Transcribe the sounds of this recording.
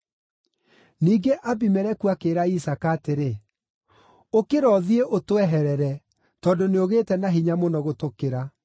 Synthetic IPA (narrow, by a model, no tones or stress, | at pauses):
niːɡeʔabimɛɾɛkuakeːɾaisakaːteɾe | okeɾɔðieʔotwɛɦɛɾɛɾɛ | tɔdoneoɣeːtɛnaɦiɲamonɔɣotokeɾa